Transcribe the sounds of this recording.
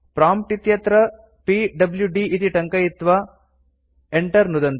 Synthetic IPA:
pɾaːmʈit̪jɐt̪ɾɐ | piɖɐbljuɖiʔit̪iʈɐŋkɐjit̪ːʋaː | eɳʈɐɾnud̪ɐnt̪

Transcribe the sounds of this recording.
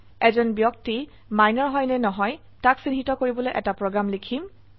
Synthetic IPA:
ɛzɔnbjɔk̚ti | majnɔɹɦɔjnɛnɔɦɔj | taksinɦitɔkoɹibɔlojʔɛ̰tapɹɔɡɹamlikʰim

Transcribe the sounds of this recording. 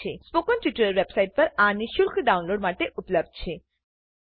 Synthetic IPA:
espokɔnʈiʈuɾəɾʋebsajʈ̚pəɾaniʃuɾkʰɖaunloɖmaʈeʔupləb̚d̪̚t͡ɕʰe

